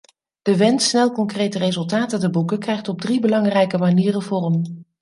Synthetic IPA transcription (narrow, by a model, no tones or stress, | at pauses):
d̥əʋɛntsnɛlˠkɔŋkrejtərezɵlˠtaːtətəbukəkrɛjχtɔb̚dribəlɑŋrɛjkəmaniːrənvʊːrɔm